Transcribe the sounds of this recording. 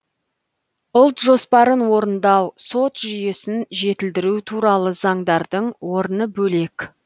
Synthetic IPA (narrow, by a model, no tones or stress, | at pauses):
ʊlˠt̪ʒo̞spɑɾənwo̞ɾənd̪ɑwso̞t̪ʒʏje̞sɪnʒe̞t̪ɪld̪ɪɾut̪ʰuɾɑlˠəzɑɴd̪ɑɾd̪əɴwo̞ɾənəbɵle̞kʲ